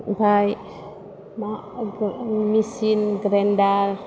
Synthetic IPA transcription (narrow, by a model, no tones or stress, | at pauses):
baj | ma | misinɡɾɛndaɾ